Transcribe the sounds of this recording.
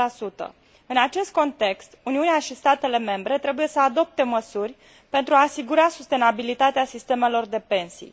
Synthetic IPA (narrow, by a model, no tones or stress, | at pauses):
asut̪ə̰ | ɨnat͡ʃe̞st̪̚ko̞nt̪e̞kst̪uniuneaʃist̪at̪e̞le̞me̞mbɾe̞t̪ɾe̞buje̞səad̪o̞p̚t̪e̞məsurʲ | pe̞nt̪ɾuaːsiɡuɾasust̪e̞nabilit̪at̪easist̪e̞me̞lo̞rd̪e̞pe̞nsḭj